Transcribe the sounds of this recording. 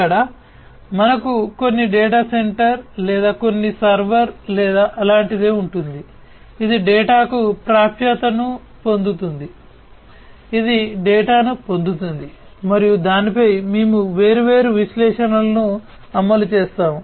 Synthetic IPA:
ɐɽa | mɐnɐkuko̞nːiɖɛːʈaːse̞ɳʈɐɾlɛːd̪aːko̞nːisɐɾʋɐɾlɛːd̪aːʔɐlaːɳʈid̪e̞ːuɳʈund̪i | id̪iɖɛːʈaːkupɾaːpʰjɐt̪ɐnu | po̞nd̪ut̪und̪i | id̪iɖɛːʈaːnupo̞nd̪ut̪und̪i | mɐɾijud̪aːnipɐjmeːmuʋeːɾuʋe̞ːɾuʋiʃlɛːʂɐnɐlɐnuː | ɐmːɐlut͡ʃeːst̪aːmu

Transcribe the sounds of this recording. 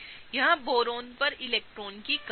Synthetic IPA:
jɐɦãboːɾõːnpɐɾɪleːk̚ʈɾoːnkik

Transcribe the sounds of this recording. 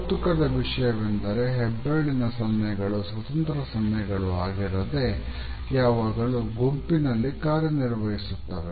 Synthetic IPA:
put̪ukɐd̪ɐʋiʂɐjɐʋend̪ɐɾe̞ɦɛbːeːɭinɐsɐmːɐjɐɡɐɭusʋɐt̪ɐnt̪ɾɐsɐmːɐjɐɡɐɭuaːɡiɾɐd̪e̞ | jaːʋaːɡɐɭuɡompinɐlːikaːɾjɐniɾʋɐɦisut̪ːɐʋe

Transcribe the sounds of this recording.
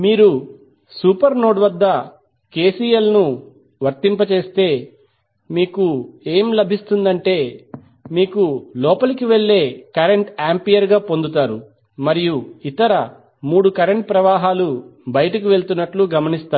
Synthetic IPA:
miːɾu | suːpɐɾno̞ːɖʋɐd̪ːɐ | ke̞ːsiːjɐlnu | ʋɐɾt̪impɐt͡ʃe̞ːst̪e̞ː | miːkue̞ːmlɐbʱist̪und̪ɐɳʈe̞ː | miːkulɔːpɐlɐkiʋe̞ɭːe̞ːkɐɾeɳʈaːmpijɐɾɡaːpond̪ut̪aːɾu | mɐɾijuit̪ɐɾɐ | muːɽukɐɾeɳʈ̚pɾɐʋaːɦaːlubɐjɐʈɐk̬iʋe̞ɭt̪unːɐʈluɡɐmɐnist̪aː

